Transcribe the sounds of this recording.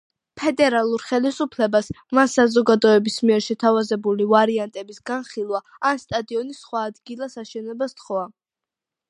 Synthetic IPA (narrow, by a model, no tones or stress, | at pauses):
pʰɛd̪ɛɾalˠuɾχɛlisupʰlɛbas | mansazɔɡad̪ɔɛbismiɛɾʃɛt̪ʰavazɛbulivaɾiant̪ʼɛbisɡanχilˠwa | anst̪ʼad̪iɔnisχwaːd̪ɡilˠasaʃɛnɛbast̪χɔa